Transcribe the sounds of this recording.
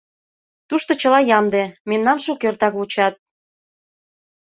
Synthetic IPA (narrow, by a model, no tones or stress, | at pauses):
t̪uʃt̪ot͡ɕəlɑjɑmd̪ememnɑmʃukørt̪ɑkut͡ɕɑt̪̚